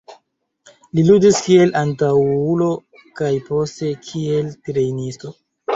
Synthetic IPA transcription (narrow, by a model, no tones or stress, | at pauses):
liludiskie̞lʔantawulo̞ | kajpo̞ste̞kʰie̞ltɾe̞jnisto̞